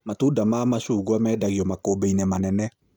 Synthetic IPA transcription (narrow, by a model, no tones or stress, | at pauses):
matudamaːmaɕuːɣwamɛːdaɣiɔmakoːbeinɛmanɛnɛ